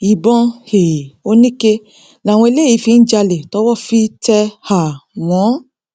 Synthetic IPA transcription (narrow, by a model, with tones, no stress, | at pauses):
i˨bɔ̃˧he˨o˦nĩ˦ke˧ | la˨w̃ɔ̃˧e˧le˦˨i˨˧˦fi˧n̩˦d͡ʒa˧le˨tɔ˦wɔ˦˨fi˦tɛ˧ha˨w̃ɔ̃˨˦